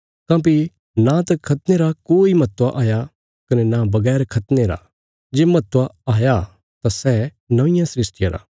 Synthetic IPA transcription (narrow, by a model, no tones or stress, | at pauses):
kãːp̬i | nãt̪ɐkʰɐt̪neɾakoːimɐt̪ʋaʔaːja | kɐnɛnabɐɡɛːɾkʰɐt̪neɾa̰ | d͡ʒeːmɐt̪ʋaaːja | t̪asɛ | nɐʋɪ̃jãsɾɪsʈɪjaɾa̰ː